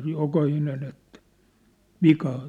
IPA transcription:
sej jokɑhinen etːæ̥ ʋikɑː

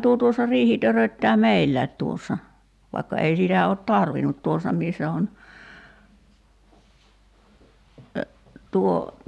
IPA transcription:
tuo tuosːɑ riːhi tørøtːæː meilːæˑi̞t tuosːɑ ʋɑikːɑ ei sitæ ot tɑrʋinut tuosˑɑ misːæ on tuo

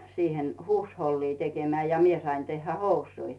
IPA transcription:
siːhen huːsholːiː tekemæː jɑ mie sɑin tehːæ housui

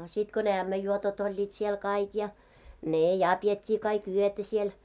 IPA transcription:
sit ko ne æmːæjːuotot olʲːiːt siel kɑik jɑ neˑ jɑ pietʲːiː kɑik yøtæ siel

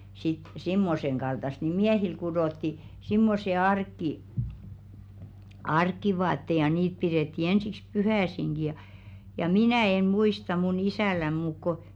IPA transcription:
sit simːoseŋ ɡ̊ɑltɑst ni miæhil kuɾoˑtːi simːose ɑrkˑi ɑrkˑiʋɑːtːe jɑ niːt piɾeˑtːi ensiks puhæˑsiŋɡ̊i jɑ jɑ minæˑ en̞ muistɑ mun isæˑlæn muːk ko

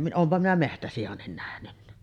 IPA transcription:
oːmpɑ minæ mehtæsijɑnːin næhnynːæ

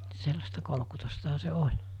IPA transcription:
selːɑstɑ kolŏkutostɑhɑ se olʲ

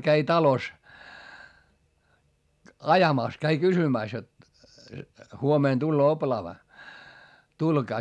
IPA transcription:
kæi tɑlos ɑjɑmɑˑs kæi kysymæˑs jot huomeˑn tulːoː oplɑːʋɑ tulɡ̊ɑː

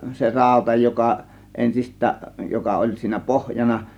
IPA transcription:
se rɑˑo̝tɑ jokɑ ʔensistˑæːʔ jokɑ olʲ siːnæ pohjɑnɑ

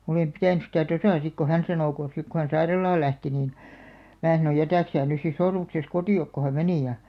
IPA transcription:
oleˑm pitæˑny stæ tosɑˑ sik ko hæn sɑnoˑ ko sik ko hæn sɑirɑlɑːl læhti niːn mæː sɑno jætæˑk sæː nys sis sormukses kotiˑok ko hæ meni jɑ

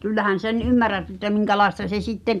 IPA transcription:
kylːæhæn sen ymːærˑæt ĕtːæ miŋkælɑestɑ se sitːeŋ̆

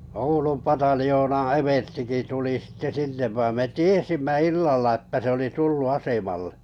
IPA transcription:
oulum pɑtɑljoːnɑ̃ː eʋerstiki tuli sitːe sinːe ʋɑim me tiesimːæ ilːɑlːɑ ĕtːtæ se oli tulːu ɑsemɑlːe̥

